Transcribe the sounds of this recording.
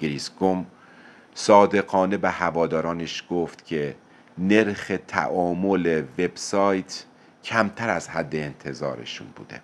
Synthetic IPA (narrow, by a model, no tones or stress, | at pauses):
ɡeɾisɡom | sɒːd̪e̞ɣɒːne̞bæhævɒːd̪ɒːɾɒːneʃɡ̥oft̪cʰe | ne̞ɾxe̞t̪ʰæ̰ʔɒːmoleve̞bsɒːjt̪ʰ | cʰæmt̪ʰæɾæzhæd̪ːeːnt̪ʰe̞zɒ̰ːɾḛʃṵnbṵːd̪̥e̞̰